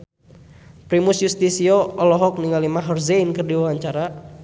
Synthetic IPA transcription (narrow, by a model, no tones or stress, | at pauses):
pɾimusjust̪isiɔɔlɔɦɔk̚niŋalimaɦɔrzeinkɨrdiwawaɲt͡ʃaɾa